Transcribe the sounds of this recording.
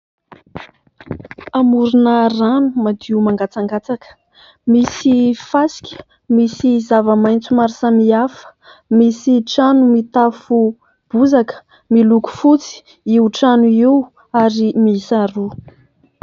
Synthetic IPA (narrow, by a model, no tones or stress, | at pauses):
amuɾunaranumad̪iumaŋɡat͡saŋɡat͡sakə̥ | misifasi̥kʲə̥ | misizavəmajnt͡sumaɾisamiafə̥ | misiʈ͡ʂanumit̪afu | b̥uzakə̥ | miluku̥fut͡si̥ | iuʈ͡ʂanuiw | aɾimisaɾu